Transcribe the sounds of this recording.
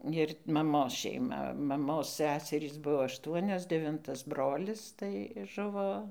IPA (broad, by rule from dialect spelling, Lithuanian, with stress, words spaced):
ɪr mɐˈmoːs ʃʲɛɪˈmɐ mɐˈmoːs ˈsʲæsʲɛrʲiːs ˈbuɔ ɐʃˈtuɔnʲoːs dʲɛˈʋʲɪntɐs ˈbroːlʲɪs tɐɪ ˈʒʊʋoː